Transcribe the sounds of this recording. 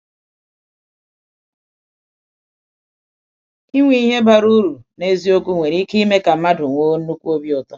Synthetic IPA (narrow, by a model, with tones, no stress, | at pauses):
i˦ŋʷi˦i˦ɦe˦ba˨ɾu˦ɾu˨ne˦zi˦o˦ku˦ŋʷe˨ɾi˦ki˦me˦ka˨ma˦dʊ˨ŋʷo˦nu˦kʷu˦o˦bjɔ˨tɔ˦